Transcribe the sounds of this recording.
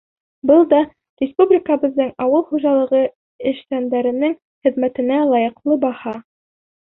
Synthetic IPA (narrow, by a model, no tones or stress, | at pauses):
bɤlˠd̪ɑ | rʲɪspublʲɪkəbɤ̆ððːɤɴɑwɤlˠχuʒɑlˠɤ̆ʁɤ | ɘ̆ʃt̪ænd̪æɾɘ̆nɘŋ | χɘ̆ðmæt̪ɘ̆nælˠɑjɤ̆qlˠɤbɑhɑ